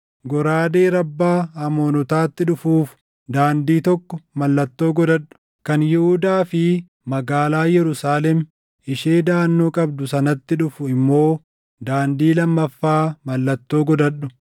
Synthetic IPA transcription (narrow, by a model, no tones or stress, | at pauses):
ɡɔɾaːd̪eːɾɐbːaːɐmo̞ːnɔt̪aːt̪ːɪᶑʊfuːf | d̪aːnd̪iːt̪ɔkːɔmɐlːɐt̪ːo̞ːɡɔd̪ɐɗʊ̥ | kɐnjɪhʊd̪aːfɪ | mɐɡaːlaːjɛɾʊsaːlɛm | ɪʃeːd̪aːnːo̞ːkʼɐbd̪ʊsɐnɐt̪ːɪᶑʊfʊɪmːo̞ː | d̪aːnd̪iːlɐmːɐfːaːmɐlːɐt̪ːo̞ːɡɔd̪ɐᶑʊ̥